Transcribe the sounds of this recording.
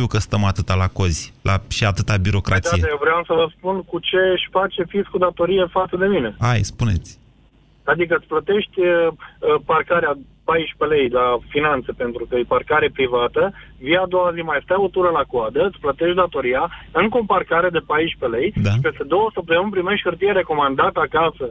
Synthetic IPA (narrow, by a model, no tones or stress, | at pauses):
t̪iukəst̪əmat̪ɨt̪alakoz̥ʲlʔaʃiat̪ɨt̪abiɾo̞kɾʔat̪aijeevɾeamsəvəspunkut͡ʃe̞ʃʲfat͡ʃe̞fiskud̪at̪o̞ɾijefat̪səd̪e̞mine̞ajspune̞̰t̪sʲ | ad̪ikət̪sʲplət̪e̞ʃt̪ʲ | parkaɾea | pajʃpe̞le̞jlafinant̪se̞pe̞nt̪ɾukəejparkaɾepɾivat̪əvijad̪o̞wazimajst̪ajo̞t̪uɾəlakuad̪əɨt̪sʲplət̪e̞ʃt̪̚d̪at̪o̞ɾijaɨŋkomparkaɾe̞d̪e̞pajʃpe̞le̞jd̪ape̞st̪e̞d̪o̞wəsəp̚t̪əmɨnp̬ɾime̞ʃt̪hɨrt̪ijeɾe̞ko̞mand̪at̪əakasə